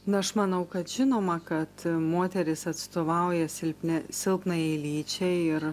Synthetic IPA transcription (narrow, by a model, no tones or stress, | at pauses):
nʊɐʃmɐnɐʊkɐt̪ʒʲɪnoːmɐkɐt̪moːt̪ʲɛɾʲɪsɐt̪st̪oːʋɐʊjɛsʲɪlʲpʲnʲɛsʲɪlˠpnɐjɛɪlʲiːt͡ʃʲɛɪɪɾ